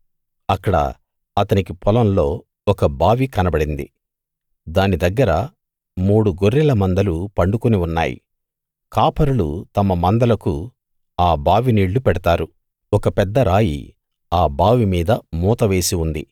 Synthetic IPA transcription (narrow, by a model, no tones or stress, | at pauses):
ɐkːɐɽɐ̰ | ɐt̪ɐnikipʰɔlɐmlo̞ː | ɔkɐbaːʋikɐnɐbɐɽind̪ḭ | d̪aːnid̪ɐɡːɐɾɐ | muːɽuɡoɾːɛlɐmɐnd̪ɐlupɐɳɖukuniunːa̰ːjḭ | kaːpɐɾulṵt̪ɐmɐmɐnd̪ɐlɐku | aːbaːʋiniːɭːupɛɽɐt̪aːɾu | ɔkɐpɛd̪ːɐɾaːjḭ | aːbaːʋimiːd̪ɐmuːt̪ɐʋe̞ːsiund̪ḭ